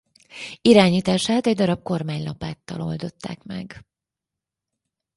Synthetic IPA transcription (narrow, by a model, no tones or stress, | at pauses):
iɾaːɲiːt̪aːʃaːt̪ɛɟd̪ɒɾɒb̚ko̞rmaːɲlɒpaːt̪ːɒ̰lo̞ld̪o̞t̪ːa̰ːkmɛ̰ɡ